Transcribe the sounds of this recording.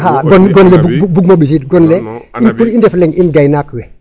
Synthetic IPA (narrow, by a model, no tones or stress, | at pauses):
haɡɔnɡɔnlɛbuubuɡ̚moɓis̬itɡɔnlɛinkulindɛflɛŋinɡajnakwɛ